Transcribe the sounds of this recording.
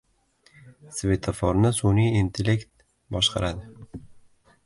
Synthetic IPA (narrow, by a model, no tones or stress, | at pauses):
svʲe̞t̪ʰafɒɾnɪsuniint̪ʰele̞kt̪̚ | bɒʃqʰɑ̰ɾad̪ɪ